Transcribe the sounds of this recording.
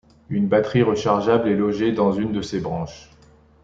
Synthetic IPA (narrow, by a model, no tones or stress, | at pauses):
ynbat̪χiʁəʃaʁʒablɛlɔʒed̪ɑ̃zynd̪əsebʁɑ̃ʃ